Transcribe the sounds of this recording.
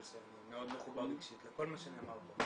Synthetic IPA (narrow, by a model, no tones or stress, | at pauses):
seimeod̪meχuballikʃit̪leko̞lmaʃenemalχo